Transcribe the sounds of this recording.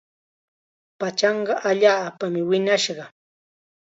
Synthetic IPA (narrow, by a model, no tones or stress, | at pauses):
pat͡ʃɑɴɢɑʔaʎaːpamɪwɪnaʃɢɑ